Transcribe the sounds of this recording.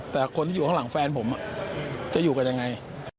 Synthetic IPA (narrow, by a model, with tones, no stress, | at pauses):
t̪ɛː˨˩kʰo˧nt̪iː˥˨uː˨˩a˦˥ŋla˩˦ŋfɛː˧npʰo˩˦mʔa˨˩t͡ɕa˨˩juː˨˩ka˧nja˧ŋːa˧j